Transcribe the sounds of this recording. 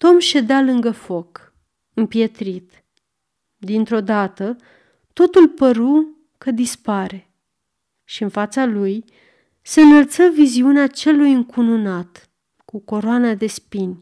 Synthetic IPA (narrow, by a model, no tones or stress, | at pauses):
t̪o̞mʃe̞d̪ealɨŋɡəfo̞k | ɨmpje̞t̪ɾit̪ | d̪int̪ɾo̞d̪at̪ə | t̪o̞t̪ulpəɾu | kəd̪ispaɾe̞ | ʃiɨnfat̪saluj | se̞ɨnəlt̪səviziuneat͡ʃe̞lujɨŋkununat̪ | kuko̞ɾoanad̪e̞spinʲ